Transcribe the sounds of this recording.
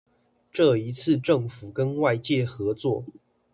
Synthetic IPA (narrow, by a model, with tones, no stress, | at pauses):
ʈ͡ʂɤ˥˨i˧˦t͡sʰɹ̩˥˧ʈ͡ʂɤ˥˨ŋfu˨˩kə˦nwa˥˧ɪt͡ɕjɛ˥˨xɤ˧˦t͡swɔ˥˨